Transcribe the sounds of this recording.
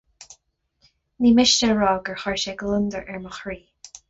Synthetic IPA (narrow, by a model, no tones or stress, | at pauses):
niːmɪʃnəɹɔːɡəɹxɔɹʃɛɡlɪnd̪əɹʔɛɹməxɹiː